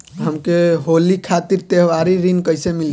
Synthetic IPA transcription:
ɦəmkeɦolikʰat̪iɾt̪eɦʋaɾiɾinkəjsemil

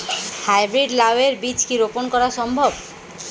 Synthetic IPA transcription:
hajbɾiɖlaweɾbit͡ɕkiɾoponkɔɾaʃɔmbʱob

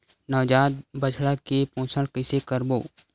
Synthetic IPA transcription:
nəʋd͡ʒaːt̪̚bət͡ʃʰɽakepõːt͡ʃʰəlkɪsekəɾboː

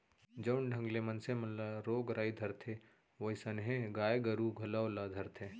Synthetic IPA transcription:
d͡ʒɐɳɖʱə̃ŋɡlemɐnsemɐnlaɾoːɡɾʔaːid̪ʱɐɾt̪ʰe | ʋoisɐnɦẽɡaːjɡɐɾuɡʱɐlawlad̪ʱɐɾt̪ʰe

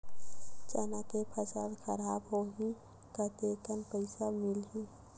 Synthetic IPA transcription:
t͡ʃənakepʰəsəlxʰəɾaːbɦoɦi | kət̪ekənpəɪsamɪlɦi

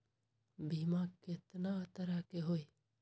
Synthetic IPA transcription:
bʱiːmãːkɪt̪nat̪əɾakeɦoːi

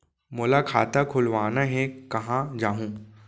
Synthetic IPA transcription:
mʊːlakʰa̰ːt̪akʰʊlʋaːnaɦɛ̃kɐɦãd͡ʒaːɦũː

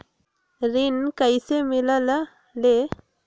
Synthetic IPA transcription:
ɾinkajsemilala | le

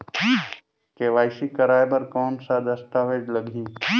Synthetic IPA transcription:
keʋaːɪsikɐɾaːepɐɾkɔːnsad̪ɐst̪aːʋeːd͡ʒləɡʱiː

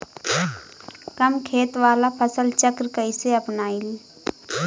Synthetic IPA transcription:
kəmkʰeːt̪ʋaːlapʰəsəlt͡ʃəkɾkəiseɐpnaːil

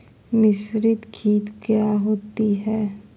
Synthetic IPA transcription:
mɪsɾɪt̪kʰiːt̪kjaɦoːt̪iɦɛː

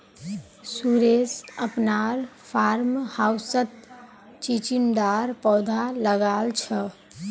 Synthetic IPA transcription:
suɾesəpnaɾpʰaɾmhawsət̪ | t͡ʃit͡ʃinɖ̪aɾpɔd̪ʱaləɡalt͡ʃʰə

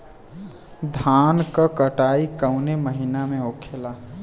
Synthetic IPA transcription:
d̪ʱaːnkəkəʈaːikəʊneməɦinamẽokʰela

